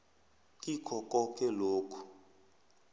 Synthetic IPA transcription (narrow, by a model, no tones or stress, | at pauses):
kʼikʰɔkʼɔkʰɛloːkʰu̥